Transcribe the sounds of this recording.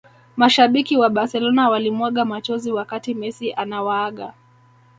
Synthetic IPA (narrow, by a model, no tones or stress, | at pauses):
maʃaɓikiwaɓaɾsɛlɔnawalimwaɠamat͡ʃɔziwakatimɛsiʔanawaːɠa̰